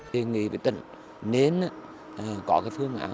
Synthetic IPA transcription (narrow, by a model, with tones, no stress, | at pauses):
e˨˩ŋḭ˧˨vḭ˨˧˩jt̪ḭ˧˨ŋ̟ | ne˨˦na˧˦˨ | kɔ˧˦kaː˨˦jfɨ˧əŋʔa̰ː˧˦